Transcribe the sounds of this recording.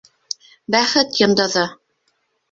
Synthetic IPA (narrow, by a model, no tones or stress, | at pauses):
bæχɘt̪jɤ̆nd̪ɤ̆ðɤ